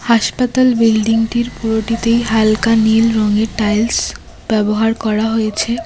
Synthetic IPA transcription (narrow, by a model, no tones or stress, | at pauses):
haʃpat̪albilɖiŋʈiɾpuɾoʈit̪ejɦalkanilɾɔŋeɾʈajls | b̥ɛboɦaɾkɔɾaɦojet͡ɕʰe